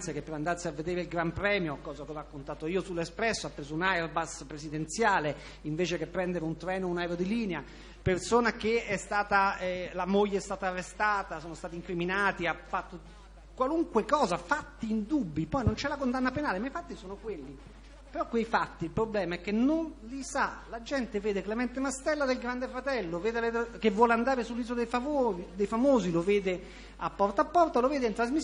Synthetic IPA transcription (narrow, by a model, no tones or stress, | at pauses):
t̪sjakepːeɾand̪arsiavːed̪eːɾeilɡɾampɾɛːmjokɔːzakɔrakːont̪aːt̪oiːosulːespɾɛsːoapːɾeːzounajrbaspɾesid̪ent̪sjaːle | iɱveːt͡ʃekepːɾɛnd̪eɾeunt̪ɾɛːnounajɾod̪iliːnea | persoːnak̟eɛst̪aːt̪alamoʎːeɛst̪aːt̪aːrːest̪aːt̪asoːnost̪aːt̪iŋkɾiminaːt̪iafat̪ːo | kwaluŋkwekɔːzafat̪ːiːnd̪ubːipɔjnont͡ʃɛlakond̪anːapenaːlemaifat̪ːisoːnokwelːi | peɾɔkːwejfat̪ːiilpɾoblɛːmaɛk̟ːenːonlisalad͡ʒɛnt̪eveːd̪eklemɛnt̪emast̪ɛlːad̪elɡɾand̪efɾat̪ɛlːoveːd̪eavek̟evːwɔːleand̪aːɾesulːiːzod̪ejfaod̪ejfamoːziloveːd̪e | apːɔrt̪apːɔrt̪aloveːd̪eint̪ɾazmis